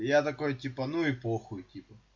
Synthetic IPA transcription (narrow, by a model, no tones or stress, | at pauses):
jat̪ɐko̞jtʲipɐnuɪpoxʊjʊtʲipɐ